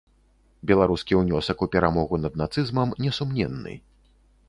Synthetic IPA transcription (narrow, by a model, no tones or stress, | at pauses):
bʲɛlˠaɾuskʲiwnʲɔsɐkupʲɛɾamɔɣunɐd̪̚nat̪sɨzmɐmnʲɛsumnʲɛ̰nːɨ̰